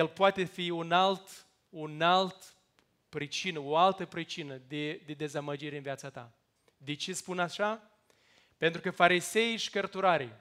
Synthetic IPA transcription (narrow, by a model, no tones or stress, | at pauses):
jelpoat̪e̞fiunalt̪ | unalt̪ | pɾit͡ʃinəoalt̪əpɾit͡ʃinəd̪ed̪e̞d̪e̞zaməd͡ʒiɾeɨnviat̪sat̪a̰ | d̪e̞t͡ʃe̞spunaʃa | pe̞nt̪ɾukəfaɾise̞jʃi̥kərt̪uɾaɾij